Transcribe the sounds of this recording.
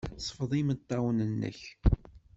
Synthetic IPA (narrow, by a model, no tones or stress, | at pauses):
sˤə̥fðˤimət̪ˤːɑwnənːə̰ç